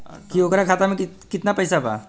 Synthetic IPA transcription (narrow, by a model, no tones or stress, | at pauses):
kiokɾakʰat̪amẽkikit̪napəjsaba̰